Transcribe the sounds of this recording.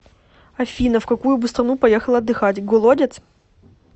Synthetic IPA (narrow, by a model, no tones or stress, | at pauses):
ɐfʲinəfkɐkujʊbɨst̪ɾɐnupɐjexəlˠəɐd̪ːɨxatʲɡɔlˠodʲɪt̪s